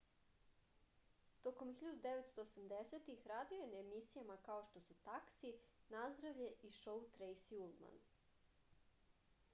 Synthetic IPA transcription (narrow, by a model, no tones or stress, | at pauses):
t̪o̞ko̞mxiʎad̪ud̪e̞ʋet̪st̪o̞osamd̪eset̪ixɾaːd̪iojenemisijamakao̞ʃt̪o̞sut̪aksinazd̪ɾaʋʎe̞ʔiʃo̞ut̪ɾejsiulˠma̰n